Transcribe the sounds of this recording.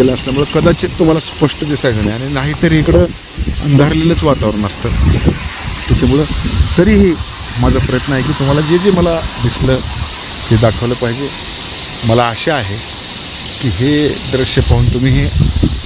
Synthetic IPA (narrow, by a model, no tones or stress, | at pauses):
eləəsləm̤uɭəkəd̪at͡set̪ːum̤alaspəʂʈəd̪isajd͡zaneaɽ̃inaɦit̪əɾiɦikɽəː | ə̰nd̪ʱaɾlelət͡sʋat̪aʋəɾəɳəst̪əː | t̪at͡ɕamuɭət̪əɾiːɦe | mad͡zʱapɾəjət̪nəaɦekiːt̪um̤alad͡zed͡zeməlad̪isləː | t̪ed̪akʰəʋləːpaɦid͡ʑe | məlaəɕeaɦe | kiːɦed̪ɾəɕjəpaɦuːnt̪um̤iːɦe